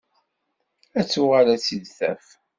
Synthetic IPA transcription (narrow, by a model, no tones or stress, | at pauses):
æt͡sːʊʁaɾæt͡sːiðθæ̰f